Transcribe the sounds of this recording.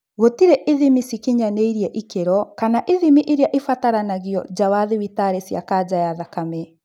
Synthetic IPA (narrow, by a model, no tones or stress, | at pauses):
ɣotiɾɛʔeðimisikiɲaneiɾiɛʔikeɾɔkanaʔeðimiʔeɾjaʔefataɾanaɣjɔd͡ʑawaðewitaɾesja̰kad͡ʑajaðakamɛ